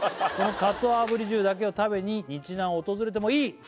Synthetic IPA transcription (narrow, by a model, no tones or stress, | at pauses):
ko̞nno̞kat͡sɨaːbɯ̟ɾʲiʑɨːd̪ak̬e̞o̞t̪abe̞ɲ̟iɲ̟it͡ɕinãɰ̃oot̪o̞zɨɾe̞t̪̬e̞mo̞iː